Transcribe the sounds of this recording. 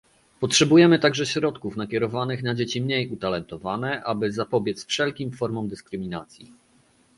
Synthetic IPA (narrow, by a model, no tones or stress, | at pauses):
pɔtʂɛbujɛmɘt̪aɡʐɛɕɾɔt̪kufnakʲɛɾɔvanɘxnad͡ʑet͡ɕimɲejut̪alɛnt̪ɔvanɛʔabɘzapɔbʲjɛt̪sfʂɛlkʲimfɔɾmɔmd̪ɘskɾɘmʲinat̪sʲji